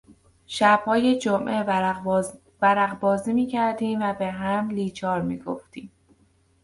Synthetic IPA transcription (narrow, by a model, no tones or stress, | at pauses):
ʃæb̥hɒːje̞d͡ʒomʔe̞ | væɾæɣbɒːziːmiːcʰæɾd̪iːmvæbe̞ɦæmliːt͡ʃʰɒːɾmḭːɡo̞̰ft̪iːm